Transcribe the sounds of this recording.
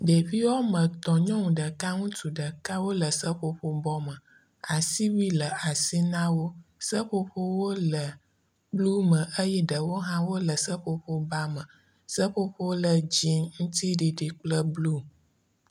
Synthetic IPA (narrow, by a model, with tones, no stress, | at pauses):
ɖe˨vi˦wɔ˦mə̃˨t̪ɔ˨ɲɔ̃˦ŋũ˨ɖə˨ka˦ŋũ˦t̪u˨ɖə˨ka˦wo˦lə˨sə˦ɸo˦ɸo˦bɔ˦mə̃˨ | a˨si˦wi˦lə˨a˨si˦nã˦wo˦sə˦ɸo˦ɸo˦wo˦lə˨ | blu˦mə̃˨ʔə˦jɛ˦ɖə˨wo˦ɦã˦wo˦lə˨sə˦ɸo˦ɸo˦ba˦mə̃˨ | sə˦ɸo˦ɸo˦wo˦lə˨d͡ʑi˦ŋũ˦t̪i˦ɖi˨ɖi˨k͡plə˦blu˦